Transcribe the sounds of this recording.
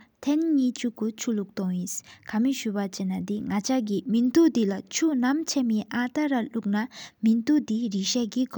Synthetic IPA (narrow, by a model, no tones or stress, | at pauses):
t̪ʰɛnɲiːt͡ɕukːut͡ɕʰuluk̚t̪ɔŋjiskʰamiɕypat͡ɕenːat̪iŋat͡ɕʰak̬imint̪uʔd̪ilat͡ɕʰunamt͡ɕʰemiʔat̪aɾaluk̚namint̪uʔd̪iɹiɕaɡik